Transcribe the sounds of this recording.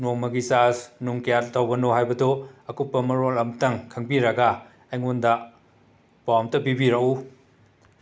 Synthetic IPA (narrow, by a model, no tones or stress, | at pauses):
noŋmɐɡisasnuŋkijat̚tawɡɐnoɦajbɐdoɐkupːɐmɐɾolɐmtɐŋkʰɐŋbiɾɐɡa | ɐjŋondɐ | pawmtɐpibiɾɐʔu